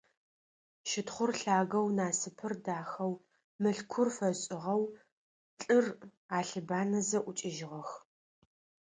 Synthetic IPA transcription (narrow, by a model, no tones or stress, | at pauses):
ʃɪtχʷʊrɬaːɣɐwnaːsɨpʰɨrdaːxɐw | mɨɬkʷʰʊrfɐɕʼɪʁɐw | ɬʼɨr | aːɬɨbaːnɐzɐʔʷʊt͡ʃʼɪʒɪʁɐx